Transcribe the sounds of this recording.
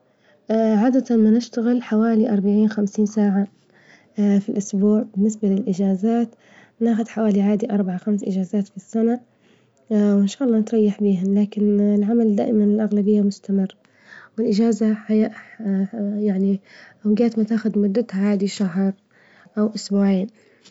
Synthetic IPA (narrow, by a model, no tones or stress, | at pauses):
ʕaːd̪at̪anmanɪʃt̪aɣɪlħawaːliʔɑɾˤbaʕiːnxamsiːnsaːʕa | filʔʊsbuːʕbɪnːɪsbalɪlʔɪd͡ʒaːzaːt̪ | naːxʊd̪ħawaːliʕaːd̪iʔɑɾˤbaʕaxamsʔɪ̰d͡ʒaːzaːt̪fisːana | wɪnʃaːʔɑlːɑːnɪt̪ɾˤɑjːɪħbiːɦalaːkɪnɪlʕamald̪a̰ːʔɪmanɪlʔaɣlabɪjːamʊst̪amɪrːa | wɪlʔɪd͡ʒaːzaħajaʔ | jaʕniʔawɡaːt̪mat̪aːxʊd̪mʊd̪ːat̪haʕaːd̪iʃaɦɾˤ | ʔawʔʊsbuːʕiːn